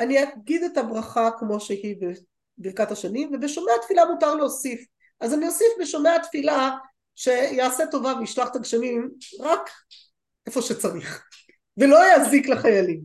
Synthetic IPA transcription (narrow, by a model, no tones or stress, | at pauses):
aniaɡid̪etabʁaχakmo̞ʃehibe | biʁkataʃanimvebeʃomeat̪filamutaʁloːsif | ʔazaniosifbeʃomeatfila | ʃe̞jaːseto̞vaveiʃlaχt̪aɡʃamimʁak | ʔe̞fo̞ʃet͡saʁiχ | velo̞jazikleχajalim